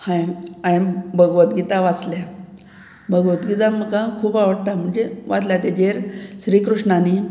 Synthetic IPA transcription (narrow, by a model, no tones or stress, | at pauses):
hãjajmbʱəɡʋət̪ɡit̪aʋat͡slja | bʱəɡʋət̪ɡit̪am̤əkãkʰuːbaʋəɽʈ̪am̤əɳd͡zeʋat͡s̪lat̪ed͡ʑeɾɕɾiːkɾuʂɳani